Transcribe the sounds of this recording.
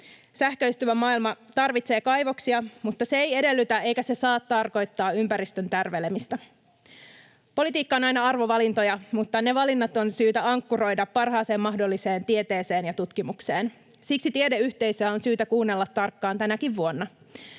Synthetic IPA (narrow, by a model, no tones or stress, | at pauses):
sæhkøyst̪yʋæmɑːilmɑt̪ɑrʋit̪se̞ːkɑjʋo̞ksiɑmut̪ːɑseeje̞de̞lːyt̪æʔe̞jkæse̞sɑːt̪ːɑrko̞jt̪ːɑːympæɾist̪ønt̪ærʋe̞le̞mist̪ɑ | polit̪iːkːɑo̞nɑjnɑɑrʋo̞ʋɑlint̪o̞jɑmut̪ːɑne̞ʋɑlinːɑt̪o̞nsyːt̪æɑŋkːuɾo̞jdɑpːɑrɦɑːse̞ːmːɑɦdo̞lːise̞ːnt̪ie̞t̪e̞ːse̞ːnjɑt̪ut̪kimukse̞ːn | siksit̪iedeyçt̪e̞jsøæo̞nsyːt̪ækuːnːelːɑt̪ːɑrkːɑːnt̪ænækiʋːuo̞nːɑ